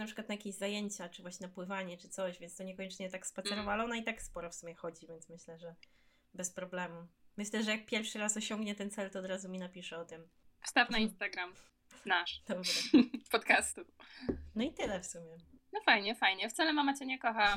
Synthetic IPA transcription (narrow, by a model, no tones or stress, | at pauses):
napʂɘkwat̪najakʲeʑzajeɲt͡ɕat͡ʂɨvwaɕɲɛnapwɘvaɲɛt͡ʂɘt̪sɔɕvʲjɛnst̪ɔɲɛkɔɲɛt͡ʂɲɛt̪ːakspat̪sɛɾɔvaalɛɔnait̪akspɔɾɔfsumʲɛxɔd͡ʑivʲjɛnt̪smɘɕlɛʐɛ | bɛspɾɔblɛmumɘɕlɛʐɛjak̚pʲjɛɾfʂɘɾasɔɕɔŋɡɲɛt̪ɛnt̪sɛlt̪ɔːd̪ɾazumʲinapʲiʂɛɔt̪ɘm | fst̪afnaĩnst̪aɡɾam | naʂd̪̥ɔbɾɛpɔt̪kast̪unɔit̪ɘlɛfsumʲjɛnɔfajɲɛfajɲɛft̪salɛmamat͡ɕɛɲɛkɔxa